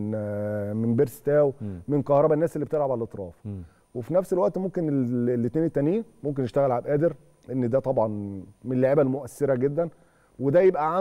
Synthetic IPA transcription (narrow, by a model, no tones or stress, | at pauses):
n | menbeɾst̪æːwmenqɑhɾˤɑbænːæːselːibet̪elʕabʕalælʔet̪ˤɾˤɑ̰ːf | wefinæfselwæʔt̪momkenelːet̪næːnit̪ːæniːmomk̬enːeʃt̪æɣælʕabʔæːd̪eɾ | ʔenːd̪æt̪ˤɑbʕɑnmenelːoʕiːbælmoʔæsːeɾæɡed̪ːæn | wed̪æjebʔæʕa